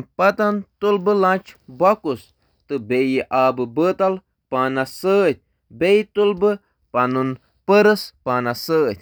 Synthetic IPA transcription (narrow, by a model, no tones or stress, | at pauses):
npat̪ant̪ulbəlãt͡ʃbakus | t̪ɨbejəʔabɨbət̪al | panasət̪̚ʲ | bejt̪ulbə | panun | pəɾəspanasət̪̚ʲ